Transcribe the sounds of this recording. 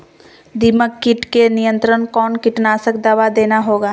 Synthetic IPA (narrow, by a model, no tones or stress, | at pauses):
d̪iməkːɪʈkenijə̃nt̪ɾənkɔːnkɪʈnaːsəkd̪aʋad̪eːnaɦoːɡaː